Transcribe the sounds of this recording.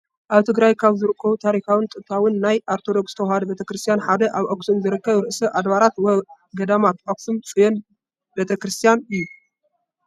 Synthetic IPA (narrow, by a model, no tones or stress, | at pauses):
ʔaβt̪ʰɨɡɾajkʰaβzɨɾɨkʰːɐβut̪ʰaɾikawɨnt̪ʼɨt̪ʰːawɨnːajʔaɾt̪ʰo̞d̪o̞kst̪ʰɐwhad̪ɐbe̞t̪ʰɐkɾɨst̪ijanħad̪ɐʔaβʔoksɨmzɨɾɨkːɐβɾɨʔsɐʔad̪βaɾat̪wɐ | ɡɐd̪amat̪ʔoksɨmt͡sʼɨjon | be̞t̪ʰɐkɾɨst̪ʰijanɨjːu